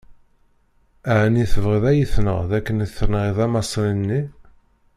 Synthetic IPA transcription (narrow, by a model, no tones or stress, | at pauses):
æʕniθəvʁiðæjəθnə̰ʁðækːənəθːəɾnəʁiðæmɑsˤlənːi